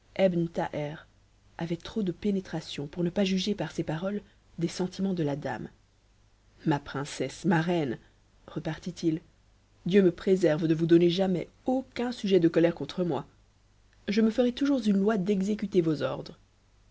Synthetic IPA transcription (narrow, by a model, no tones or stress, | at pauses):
ɛbnt̪aʔɛʁ | avɛt̪χod̪əpenet̪χasjɔ̃puʁnəpaʒyʒepaʁsepaʁɔl | d̪esɑ̃t̪ʰimɑ̃d̪əlad̪a̰m | mapχɛ̃sɛsmaʁɛn | ʁəpaʁt̪it̪il | d̪jøməpχezɛʁvd̪əvud̪ɔneʒamɛ | okʲɛ̃syʒɛd̪əkɔlɛʁkɔ̃t̪χəmwa | ʒəməfəʁɛt̪uʒuʁzynlwad̪ɛɡzek̬yt̪evozɔʁd̪ʁə